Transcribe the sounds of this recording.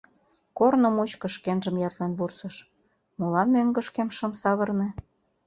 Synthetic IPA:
kornə̆mut͡ɕkə̆ʃkenʒə̆mjɑt̪lenβursɤ̆ʃ | mulɑnmøŋɡə̆ʃkemʃə̆msɑβɤ̆rnĕ

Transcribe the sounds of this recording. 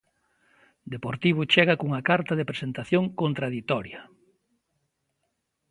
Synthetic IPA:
d̪epoɾt̪iβ̞ʊt͡ʃɛɣɐkuŋɐkaɾt̪ɐðepɾesent̪aθjoŋkont̪ɾaðit̪ɔɾjɐ

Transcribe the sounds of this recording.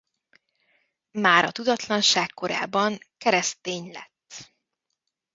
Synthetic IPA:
maːɾɒt̪ud̪ɒt̪lɒnʃaːkkːo̞ɾa̰ːbɒŋkɛɾɛst̪eːɲlɛ̰t̪ː

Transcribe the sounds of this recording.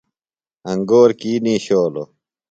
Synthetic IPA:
ɐŋɡoːɾkiːnĩːɕoːlo̰

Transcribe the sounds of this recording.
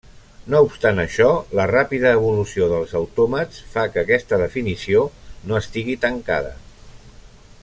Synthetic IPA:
noupst̪anəʃɔlərapiðəːβ̞ulusioðəlˠzəwt̪ɔmət͡sfakəːkɛst̪əðəfinisionoəst̪iɣit̪əŋka̰ð̞ə̰

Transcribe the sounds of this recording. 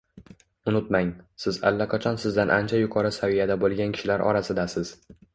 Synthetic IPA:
ʊnɪt̪̚maŋsɪza̰lːaqʰɑt͡ʃʰɒnsɪzd̪anʔa̰nt͡ʃʰajʊqʰɒɾɪsavijad̪abolˠɡʲankʲʰɪ̥ʃɪlaɾʔɒ̰ɾasɪd̪asɪz̥

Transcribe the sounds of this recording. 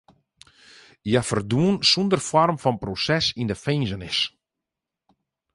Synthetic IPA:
jafərduənsundərfɔrmfɔnprosɛsindəfejnzənɪs

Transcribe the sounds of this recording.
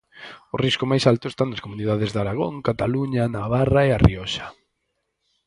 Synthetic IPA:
ʊriskʊmajsalt̪ʊest̪anɐskomuniðaðɪzðaɾaɣoŋkat̪aluɲanaβaraeariɔʃḁ

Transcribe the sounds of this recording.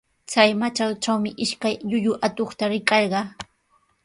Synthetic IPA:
t͡sajmat͡ʃalʈ͡ʂawmɪʔɪʃkajʎʊʎʊʔat̪oχt̪aɾɪkɑɾɢɑ

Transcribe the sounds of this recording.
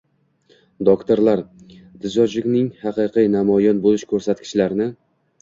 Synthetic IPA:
d̪okt̪oɾlaɾ | t̪ʰɪzɒd͡ʒɪkʲnɪŋhɑqɨqʰijnamɒjɒnbolɪʃkʰɵɾsat̪kʰʲɪ̥ʃlaɾnɪ

